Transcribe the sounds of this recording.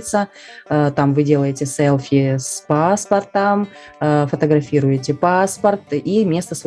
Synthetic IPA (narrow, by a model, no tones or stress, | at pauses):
t̪sə | t̪amvɨdʲe̞lˠəjɪtʲɪsɛlˠfʲɪspaspɐrt̪əm | fət̪əɡɾɐfʲiɾʊjɪt̬ʲɪpaspərt̪imʲe̞st̪əsv